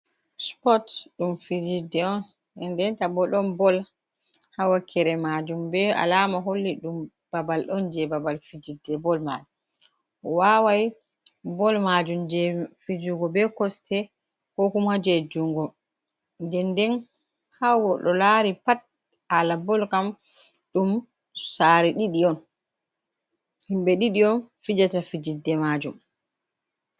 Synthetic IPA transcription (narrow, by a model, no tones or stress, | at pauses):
spɔtɗumfid͡ʒidːɛɔn | ɛndɛntabɔɗɔnbɔl | hawakʰːɛɾɛmad͡ʒumbɛa̰lamaɦolːiɗum | b̥abalɗɔnd͡ʒɛbabalfid͡ʒidːɛbɔlma̰d͡ʒum | wawaj | bɔlmad͡ʒumd͡ʒɛfid͡ʒuŋɡɔbɛkɔstʰɛ | kɔkumad͡ʒed͡ʒuŋɡɔ | ndɛndɛn | hawɡɔɗɔlaɾipat̚ | alabɔlkam | ɗum | saːɾɛɗiɗiɔn | himɓɛɗiɗiɔnfid͡ʒatafid͡ʒidːɛmad͡ʒum